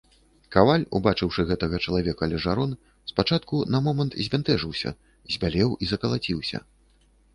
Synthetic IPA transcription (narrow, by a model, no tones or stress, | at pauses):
kavalʲubat͡ʂɨwʂɨɣɛt̪ɐɣɐt͡ʂɐlˠavʲɛkɐlʲɛʐaɾɔn | spat͡ʂat̪kunɐmɔmɐnt̪zʲvʲant̪ɛʐɨwsʲɐ̰ | zʲbʲalʲɛwizɐkɐlˠat͡sʲiwsʲɐ̰